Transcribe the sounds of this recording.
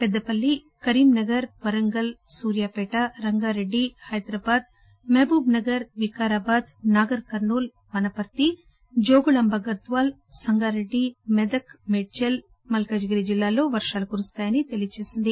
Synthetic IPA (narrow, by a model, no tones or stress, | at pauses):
pɛd̪ːɐpɐlːi | kɐɾiːmnɐɡɐɾpɐɾɐŋɡɐlsuːɾjaːpɛːʈaɾɐŋɡaːɾeɖːihɐjd̪ɾaːbaːd̪̚ | meːbuːbnɐɡɐɾʋikaːɾaːbaːd̪naːɡɐɾkɐɾnuːl | ʋɐnɐpɐt̪ːi | d͡ʒoːɡuɭɐmbʱɐɡɐd̪ʋaːl | sɐŋɡaːɾe̞ɖːimɛd̪ɐkmeɖ̚t͡ʃel | mɐlkɐːd͡ʒɡɐɾid͡ʒilːaːlo̞ːʋɐɾʂaːlukuɾust̪aːjɐnit̪elijɐt͡ʃeːsind̪i